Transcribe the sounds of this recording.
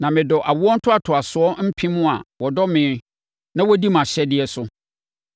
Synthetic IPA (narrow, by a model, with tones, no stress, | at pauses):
nã˨mɪ̃˨dɔ˨ʔa˨wʊ˦ɔ˦n̩˦tʰʊ˦a˨tʰʊ˨a˨sʊ˨ɔ˦m̩˦pʰĩ˦mʊ̃˦a̰˨wɔ˨dɔ˦mɪ̃ː˨˦ | nã˦wɔ˦di˦mã˨ɕɛ˦dɪ˦ɛ˨sʊ˦